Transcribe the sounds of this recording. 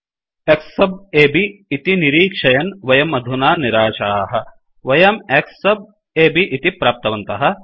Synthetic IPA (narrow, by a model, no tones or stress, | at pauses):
eksɐbeːbiːt̪iniɾiːkʃʰɐjɐnʋɐjɐmɐd̪ʱunaːniɾaːʃaːɦɐ | ʋɐjɐmekssɐb̚ | eːbiʔit̪ipɾaːp̚t̪ɐʋɐnt̪ɐɦɐ̆